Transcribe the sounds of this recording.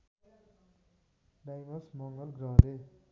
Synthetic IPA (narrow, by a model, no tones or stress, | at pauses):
ɖajbʌɾsmʌŋɡʌlɡrʌɦɾe